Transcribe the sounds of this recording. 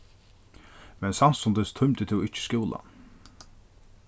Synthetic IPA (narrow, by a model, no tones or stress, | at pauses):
mɛnsan̥sʊnt̪ɪst̪ʰʊmt̪ɪt̪ʰɪwɪht͡ʃɪ̥skuːla̰